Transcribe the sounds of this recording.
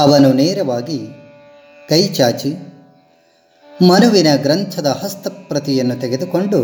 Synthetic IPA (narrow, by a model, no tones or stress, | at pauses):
ɐʋɐnuneːɾɐʋaːɡi | kɐjt͡ʃaːt͡ʃi | mɐnuʋinɐɡɾɐnt̪ʰɐd̪ɐhɐst̪ɐpɾɐt̪ijɐnːut̪eɡed̪uko̞ɳɖu